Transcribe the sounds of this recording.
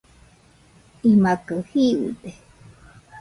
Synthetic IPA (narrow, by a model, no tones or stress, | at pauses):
imakəhiʔḭd̪e